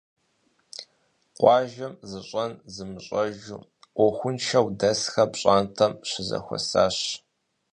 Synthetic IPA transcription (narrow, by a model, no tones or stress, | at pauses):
qʷʼɑːʒɐmzɨɕʼɐnzɨmɨɕʼɐʒṵː | ʔʷɔxʷʊnʃɐwdɐsxɐpɕʼaːntʰɐmɕɪzɐ̰xʷɔ̰sa̰ːɕ